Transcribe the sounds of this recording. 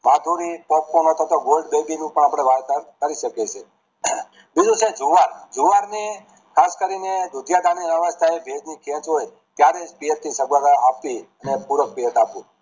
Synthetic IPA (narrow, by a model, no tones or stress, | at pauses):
mad̪ʱuɾipɔp̚konot̪ʰat̪oɡolɖbebinũpəɳapɽ̃eʋaɾt̪aɾkəɾiʃəket͡ʃʰe | bid͡ʒũt͡ʃʰed͡ʒuʋaɾd͡ʒuʋaɾne | kʰaskəɾined̪ud̪jad̪aniʋəʋəst̪ʰaebʱed͡ʒnikʰɛ̃t͡ʃɦoj | t̪jaɾed͡ʒpijət̪nisəɡʋaɾaapt̪iənepuɾək̚pijət̪apũ